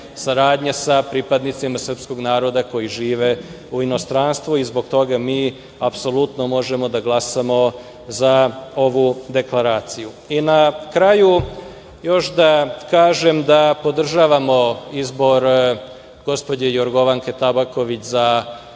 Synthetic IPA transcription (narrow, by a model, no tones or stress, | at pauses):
saɾaːd̪ɲasapɾipad̪nit̪simasr̩psko̞ɡnaːɾo̞d̪ako̞jiʒiːʋe̞ | uino̞st̪ɾanst̪ʋuizbo̞ɡt̪o̞ɡamiː | apso̞lˠut̪nomo̞ʒe̞mo̞d̪aɡlˠasamo̞ | zao̞ʋud̪e̞klˠaɾaːt̪siju | inakɾaju | jo̞ʃd̪akaːʒe̞md̪apo̞d̪r̩ʒaːʋamo̞izbo̞ɾ | ɡ̥o̞spodejo̞ɾɡo̞ʋaŋke̞t̪abako̞ʋit͡ɕza